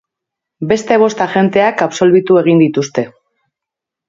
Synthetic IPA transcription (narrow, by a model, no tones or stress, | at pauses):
be̞st̪e̞β̞o̞st̪axe̞nt̪e̞akapso̞lβit̪ue̞ɣ̞ind̪it̪ust̪e̞